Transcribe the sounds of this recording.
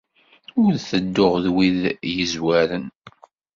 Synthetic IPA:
ʊɾɾθəd̪ːʊʁðwiðjəzwæɾən

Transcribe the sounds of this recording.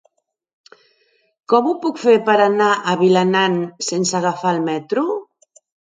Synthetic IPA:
kɔmupukfeɾpəɾanaʔaβilanansensaɣafalmɛt̪ɾu

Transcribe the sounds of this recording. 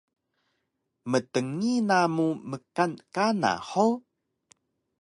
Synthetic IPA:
mətəŋinamuməkankana̰ħo

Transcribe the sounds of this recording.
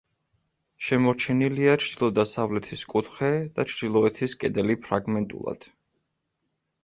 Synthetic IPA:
ʃɛmɔɾt͡ʃʰɛniliat͡ʃʰd̪̥ilˠɔd̪asavlɛt̪ʰiskʼut̪ʰχɛd̪̥at͡ʃʰd̪̥ilˠɔɛt̪ʰiskʼɛd̪ɛlipʰɾaɡmɛnt̪ʼṵlˠa̰d̪̥

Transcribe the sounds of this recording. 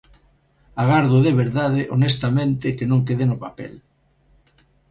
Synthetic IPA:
aɣ̞aɾðʊðeβeɾðaðeʔonest̪amẽnt̪ɪkenõŋkeðenopapɛ̰l

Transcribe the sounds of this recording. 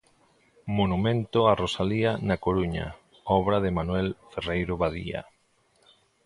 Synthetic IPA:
monumẽnt̪ʊarosalianakoɾuɲa̰ | ɔβɾaðɪmanwɛlferejɾʊβaðḭa̰

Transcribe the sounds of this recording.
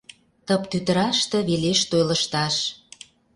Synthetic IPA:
t̪əpt̪yt̪ə̆ɾɑʃt̪ɤ̆βeleʃt̪ojlə̆ʃt̪ɑʃ

